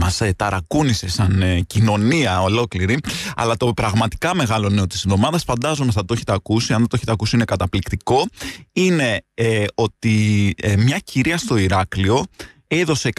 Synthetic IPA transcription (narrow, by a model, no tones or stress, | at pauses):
mɐset̪ɐɾɐkunise̞sɐncino̞niɐo̞lo̞kliɾiɐ̰lɐt̪o̞pɾɐɣmɐt̪i̥kɐme̞ɣɐlo̞ineo̞t̪isinðo̞mɐðɐsfɐnd̪ɐzunɐsɐt̪oeçe̥t̪eɐkusiɐnðɐt̪oçet̪ɐkusiinekɐt̪ɐplikt̪iko̞ine̞o̞t̪imɲɐciɾiɐst̪o̞iɾɐklio̞ | e̞ðo̞se̞k